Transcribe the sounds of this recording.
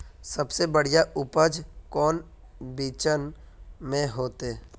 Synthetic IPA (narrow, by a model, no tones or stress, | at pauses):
səbsebəɽ̤ijaʔʊpəd͡ʒkɔːn | biːt͡ʃən | mẽɦoːt̪eː